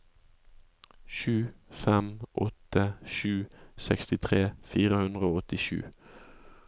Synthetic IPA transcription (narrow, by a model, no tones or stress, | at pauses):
ʃʉːfɛmʔɔt̪əʃʉːsɛkst̪ɪt̪ʰʁeːfiːʁəhʉnd̪ʁəoːɔt̪ɪʃʉ̰ː